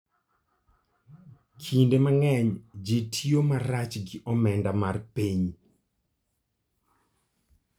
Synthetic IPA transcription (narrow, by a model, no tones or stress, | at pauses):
kʰindemaŋɛɲd͡ʒetʰijomaɾat͡ʃɡɪʔɔmɛndamarpiɲ